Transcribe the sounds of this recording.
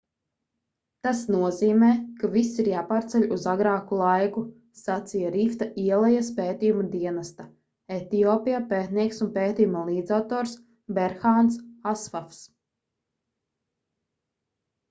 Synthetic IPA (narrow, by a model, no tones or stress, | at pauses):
t̪asnuɔziːmɛːkavisːiɾjaːpaːɾt̪sɛʎʲuzaɡɾaːkulˠajku | sat̪sijaɾift̪aʔiɛlˠajaspeːt̪iːjumad̪iɛnast̪a | ɛt̪iɔːpijapeːt̪niɛksunpeːt̪iːjumalˠiːd̪zawt̪ɔːɾs | bɛɾxaːnsasfafs